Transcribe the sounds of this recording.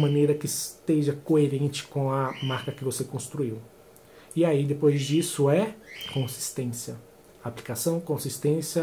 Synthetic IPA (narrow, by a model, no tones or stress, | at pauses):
mɐ̃nejɾɐkɪst̪eʒɐkoeɾẽnt͡ʃɪ̥kõw̃ɐmaɾkɐkɪvosekõst̪ɾuiw | iaid̪epojzd͡ʒisʊɛkõsi̥st̪ẽsjɐ | aplikasɐ̃w̃kõsist̪ẽsjɐ